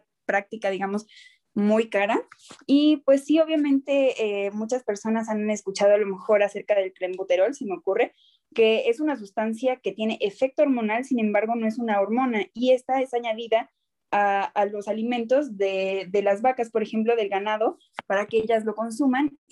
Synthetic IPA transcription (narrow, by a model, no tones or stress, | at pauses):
pɾak̚t̪ikaðiɣamo̞s | mujkaɾaipwe̞sːio̞βjamẽ̞nt̪e̞emut͡ʃaspe̞ɾso̞nas̬aneskut͡ʃaðoalo̞me̞xo̞ɾase̞ɾkaðe̞lkɾembut̪e̞ɾo̞lsimeokure̞ | ke̞e̞sunas̬ust̪ansjake̞t̪jene̞ʔefe̞k̚t̪ooɾmonalsinẽ̞mbaɾɣ̞o̞no̞e̞sunao̞ɾmõ̞naie̞st̪ae̞saɲaðiðaː | lo̞salimẽ̞nt̪o̞zðeðe̞lazβakaspo̞ɾexe̞mplo̞ðe̞lɣanað̞o̞ | paɾake̞eʝazlo̞ko̞nsuman